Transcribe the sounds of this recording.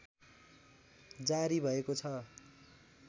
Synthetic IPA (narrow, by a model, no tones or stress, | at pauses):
d͡zaɾibʱʌekot͡sʰʌ